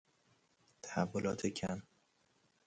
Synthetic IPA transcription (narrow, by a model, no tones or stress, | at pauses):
t̪ʰæhævːolɒːt̪ʰecʰæn